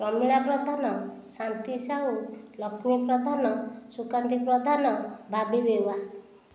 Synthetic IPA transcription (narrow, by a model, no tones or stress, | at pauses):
ɾɔmiɭapɾʌd̪ʱanɔsant̪isaɦulʌkʰnipɾʌd̪ʱanɔsukant̪ipɾɔd̪ʱanʌbʱabibewa